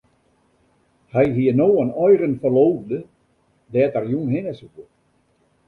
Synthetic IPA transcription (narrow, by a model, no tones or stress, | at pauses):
hɛjɦiənoːənɔjrənfərloːvdə | dɛːtərjunɦɪnəsukə